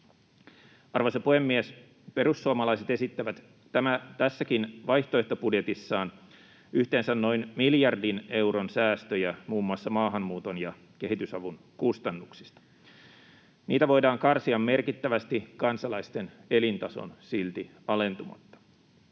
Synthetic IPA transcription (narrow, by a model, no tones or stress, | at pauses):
ɑrʋosɑpuhemːies | pe̞ɾusːuɑmɑlɑjse̞t̪e̞sit̪ːæʋæt̪ː | æmæt̪æsːækinʋɑjht̪oe̞ht̪opudjet̪isːɑːn | yht̪e̞ːnsænno̞inmiljɑrdine̞wɾonsæːst̪øjæmuːmːuɑsːɑmɑːɦɑmːuːt̪o̞njɑ | ke̞ɦit̪ysɑʋun | kust̪ɑnːuksist̪ɑ̥ | niːt̪æʋo̞jdɑːŋkɑrsiɑmːe̞rkit̪ːæʋæst̪ikɑnsɑlɑist̪e̞ne̞lint̪ɑso̰nsilt̪i | ɑle̞nt̪umɑ̰t̪ːɑ̥